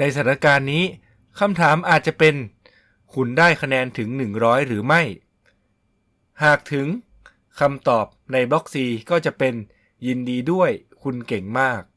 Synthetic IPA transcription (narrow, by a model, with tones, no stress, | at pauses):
na˧js̬a˩˦ɾa˧kaː˧nːiː˦˥ | kʰa˧mt̪ʰaː˩˦mʔaː˨˩t̪̚t͡ɕa˨˩pe˧n | kʰu˨˩ndaː˥˩jkʰa˧nɛː˧nt̪ʰɯ˩˦ŋnɯ˨˩ŋɾɔː˦˥jɾɯː˩˦ma˥˩j | haː˨˩k̚t̪ʰɯ˩˦ŋ | kʰa˧mt̪ɔː˨˩p̚na˧jbɔ˦˥k̚siː˧kɔː˥˩t͡ɕa˨˩ʔpe˧n | ji˧ndiː˧du˥˩əj | kʰu˧nke˨˩ŋmaː˥˩k̚